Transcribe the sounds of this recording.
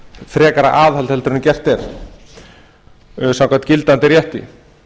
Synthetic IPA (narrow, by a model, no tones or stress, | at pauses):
θɾɛːkaɾa̰ʔaːðhalt̪hɛlt̪ʏɾnmcɛr̥t̪ɛɾ̥ | sawŋkʰat̪cɪlt̪ant̪ɪɾjɛht̪ɪ̰